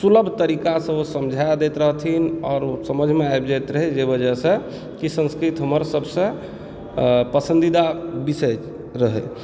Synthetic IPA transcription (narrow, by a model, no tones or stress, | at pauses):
suləbʱt̪əɾikasəbsəmd͡ʒʱajd̪et̪ɾəɦt̪ʰinɔːɾsəməd͡ʒʱmeajb̚d͡ʒajt̪ɾəɦed͡ʒebəd͡ʒəsə̃ | kisə̃nskɾit̪ɦəməɾsəbʱsə̃ | pəsə̃nd̪id̪abisə | ɾəɦɛ̰